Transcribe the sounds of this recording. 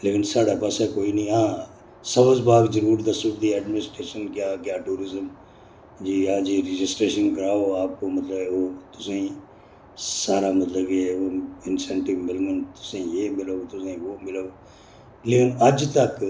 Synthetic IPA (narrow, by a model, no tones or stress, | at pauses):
leːkɪnsaːɽapəsakoːiːnĩːɦãː | səbəzbaːɡd͡ʒəɾuːɾd̪asʊbd̪iɛːɖmɪnɪsʈɾeːʃənkjaːkjaːʈuːɾɪzəm | d͡ʒiːãːd͡ʒiːɾɪd͡ʒɪsʈɾeːʃənɡəɾaːoaːp̚komət̪ləboːt̪ʊsẽ | saːɾamɐt̪ləbkeːoɪnsɛ̃ːɳʈɪʋmɪlŋɡənt̪ʊ̥sẽjeːmɪloːt̪ʊsẽːʋoːmɪloː | leːkɪnɐd͡ʒt̪ək